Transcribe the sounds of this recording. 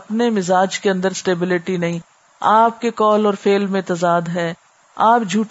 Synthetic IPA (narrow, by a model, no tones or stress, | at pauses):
ɐpnemɪzaːd͡ʒkeɐ̃nd̪əɾsʈeːbɪlɪʈinɐɦĩ | aːp̚kekɔːlɔːɾfeːlmẽt̪ɐzaːd̪ɦɛː | aːpd͡ʒʱuːʈ